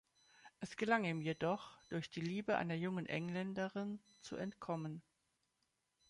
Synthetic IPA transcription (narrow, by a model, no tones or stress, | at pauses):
ʔɛsɡ̥əlaŋiːmjedɔχd̥ʊɐçd̥iːliːbəʔa̰ɪnɐjʊŋənʔɛ̰ŋlɛndəʁɪn | t͡sṵʔɛntkʰɔmən